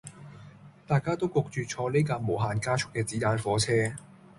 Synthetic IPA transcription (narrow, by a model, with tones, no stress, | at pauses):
t̪aː˨jkaː˥t̪o˥wkʊ˨k̚t͡ʃyː˨˩t͡ʃʰɔː˧le˥jkaː˧mo˨˩wɦaː˨˩nkaː˥t͡ʃʰʊ˨˥kːɛː˧t͡siː˨˥t̪aː˧nfɔː˨˥t͡sʰɛː˥